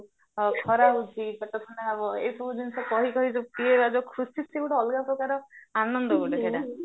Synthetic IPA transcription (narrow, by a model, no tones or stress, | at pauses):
kʰɔɾaud͡ʒʱikɔt̪ɔtʰɔɽ̃eabɔḛsɔbʱud̪insekɔɦikɔɦid͡ʒɔpiebad͡ʒɔkʰɾusiseɡuʈɔɔlɡapɾɔkaɾɔanɔnd̪ɔɡuʈed͡ʒʰeɽa